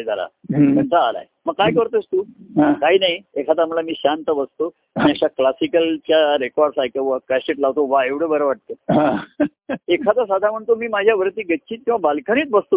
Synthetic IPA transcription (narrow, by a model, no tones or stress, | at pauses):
d͡z̪aɾa̰məɳt͡saːla̰jməɡ̚kːajkəɾt̪əst̪uːɦãkaɦinajekʰat̪am̤ulamiːɕant̪əbəst̪o | aniaɕaklasikəlt͡ɕjaɾekɔɾɖsajkəʋəkaseʈlaʋt̪oʋaeʋɽəbəɾəʋaʈ̚t̪oɦã | ekʰat̪as̬ad̪ʱam̤əɳt̪omiːmad͡ʑʱjaʋəɾt̪iːɡətːɕʰiːt̪̚kĩw̃ʋabalkʰəniːt̪bəst̪o